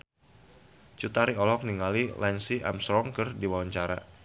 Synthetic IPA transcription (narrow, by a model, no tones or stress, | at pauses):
t͡ʃut̪aɾiɔlɔk̚niŋalilɛnsia̰msɾɔŋkɨrdiwawaɲt͡ʃaɾa̰